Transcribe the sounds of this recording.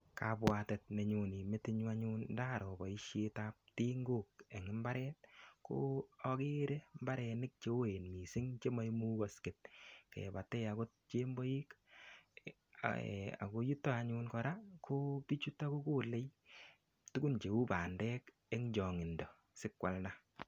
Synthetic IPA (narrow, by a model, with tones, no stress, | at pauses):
kabwatɛ˨t̚me˨ɲu˨ni˨me˦tɪ˦ɲwa˦ɲʊ˦ndaː˦˨ɾɔ˨bɔ˨i˦ʃe˦tap̚ti˦ŋɡo˦˨k̚e˨ŋɪ˦mba˦ɾɛː˦t̚ko̰ɔ˦ke˦ɾemba˦ɾɛ˧nɪ˦k̚t͡ʃe˦o˦e˨nmi˨sɪ˦ŋt͡ʃe˦ma˦jmu˦kɔ˨skɪ˨t̚kḛ˨ba˨tɛ˦ja˨ko˦t̚t͡ʃe˦mbɔ˦ji˦k | a̰˨ko˧ju˦tːo˦aɲuː˧nkɔ˧ɾakʰo˦pi˦t͡ʃu˦ta˦ko˦ko˦le˦j | tu˦ku˦nt͡ʃe˨u˦paː˨ndɛː˦k | e˦ŋd͡ʒɔ˨ŋɪ˨ndɔ˨ | sɪ˦kwa˨lna˦